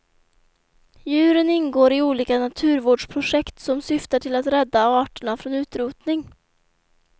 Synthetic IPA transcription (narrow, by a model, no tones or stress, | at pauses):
jʉ̟ːɾənɪnɡoːɾɪuːliːkanat̪ʰʉ̟ːɾvoːɖʂpʰɾʊʂɛkt̪sɔmsʏft̪aʈʰɪlat̪ɾɛd̪ːaɑːʈəɳafɾoːnʉ̟ːt̪ɾuːt̪nɪŋ